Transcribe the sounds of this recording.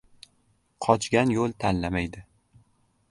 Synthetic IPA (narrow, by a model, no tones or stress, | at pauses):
qʰɒt͡ʃɡʲanjolˠt̪ʰanlamajd̪ɪ